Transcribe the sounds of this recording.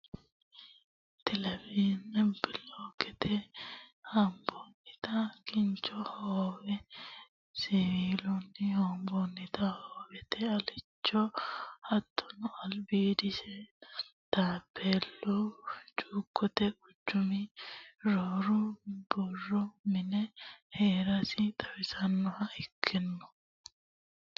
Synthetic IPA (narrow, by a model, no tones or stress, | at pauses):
t̪ɛlɛbiːnɛbɪloːkɛt̪ʰɛhɐmbonːɪt̪ɐkɪnt͡ʃɔhoːwɛ | siwiːlɔnːɪhoːmbɔnːɪt̪ɐhoːwɛt̪ɛɐlɪt͡ʃːɔhɐt̪ːɔ̥nɔɐlbiːd̪ɪʃɛ | t̪aːpʰːeːlːɔt͡ʃʼuːkːɔt̪ɛʊd͡ʒːʊmɪɾoːɾʊb̥ɔrːɔmɪnɛheːɾɐsɪt̪ʼɐwɪsɐnːɔhɐɪkʰːɛnːɔ̥